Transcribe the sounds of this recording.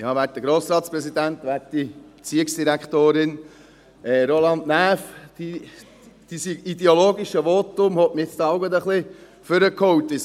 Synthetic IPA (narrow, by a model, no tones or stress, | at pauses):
jɑːʋæːɾtd̪əɡɾoːsɾɑːt̪spɾɛsid̪ænt̪ʋæːɾtd̥ibe̥t͡siəksd̥iɾækχt̪oːɾɪn | ɛːɾolɑnd̪næːfd̥i | d̥isiid̪ɛoloːɡiʃəʋoːt̪ʊmhɔtməet͡st̪ɑɑʊɡəd̪əχli | føɾəkʰɔwt̪ɪs